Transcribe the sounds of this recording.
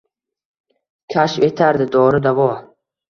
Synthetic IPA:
kʲʰaʃfet̪ʰaɾd̪ɪd̪ɒɾɪd̪avɒ

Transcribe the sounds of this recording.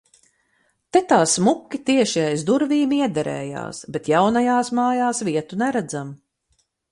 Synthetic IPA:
t̪ɛt̪aːsmukʲːit̪iɛʃiajzd̪uɾviːmiɛd̪ɛɾɛ̰ːja̰ːsbet̪jawnajaːsmaːjaːsviɛt̪unɛɾæd̪zam

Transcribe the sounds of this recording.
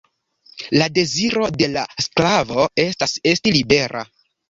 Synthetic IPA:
lade̞ziɾo̞de̞lasklavo̞e̞stase̞stilibe̞ɾʔa̰

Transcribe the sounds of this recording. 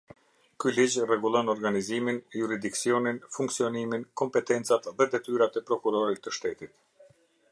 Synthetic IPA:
kylid͡ʑrɛɡulˠɔnɔɾɡaniziminjuɾid̪iksiɔninfuŋksiɔniminkɔmpɛt̪ɛnt͡sat̪ðɛd̪ɛt̪yɾat̪ɛpɾɔkuɾɔɾit̪ːəʃt̪ɛt̪it̪

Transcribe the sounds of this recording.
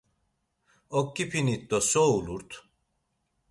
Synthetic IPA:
okːipʰinit̪ːosoulˠuɾt̪

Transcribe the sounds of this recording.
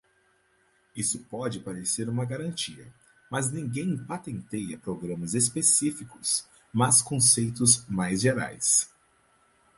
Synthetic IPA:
isʊpɔd͡ʒɪpaɾeseɾũmɐɡaɾɐ̃nt͡ʃiɐ̰ | mɐznĩŋɡẽj̃pat̪ẽnt̪ejɐpɾoɡɾɐ̃mɐzespesifikʊs | mɐskõsejt̪ʊzmajzʒeɾa̰js

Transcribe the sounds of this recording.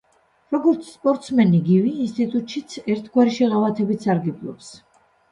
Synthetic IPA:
ɾɔɡɔɾt̪sʰspʼɔɾt̪ʼsmɛniɡiviːnst̪ʼit̪ʼut̪ʼʃit̪sʰɛɾt̪ʰɡwaɾiʃɛʁavat̪ʰɛbit̪saɾɡɛblˠɔ̰ps

